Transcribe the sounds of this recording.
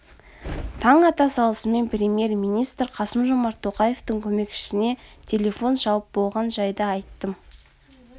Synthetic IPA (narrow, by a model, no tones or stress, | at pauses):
t̪ʰɑɴɑt̪ɑsɑlˠəsəme̞npɾʲe̞mʲje̞rmijnijst̪ɾqʰɑsəmʒo̞mɑɾt̪ʰo̞qɑje̞ft̪əŋkʲʰɵme̞kʃɪ̥sɪne̞t̪ʲʰe̞lʲe̞fo̞nʒɑw̪ˠəp̚bo̞lˠʁɑnʒɑjd̪əɑjt̪ːəm